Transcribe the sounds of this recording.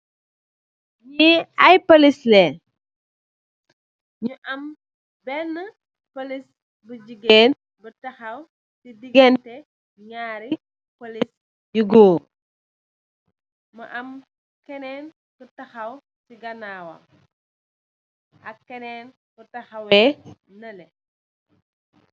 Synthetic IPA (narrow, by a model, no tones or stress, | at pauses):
ɲiɐjpɐlislɛ | ɲuʔɐm | bɛnːə | pɐlis | bəd͡ʒiɡɛːn | bətɐxɐw | sidiɡɛntɛ | ɲaːɾi | polis | juɡoː | mɐʔɐm | kɛnɛːn | bətɐxɐw | tiɡɐnaːwɐ̰ | ɐkːɛnɛːn | bətɐxɐwɛnɐlɛ